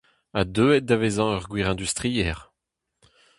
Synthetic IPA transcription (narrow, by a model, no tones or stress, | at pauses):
ad̪øːɛt̚d̪avezɑ̃œʁɡwiʁɛ̃d̪yst̪ʁiɛːʁ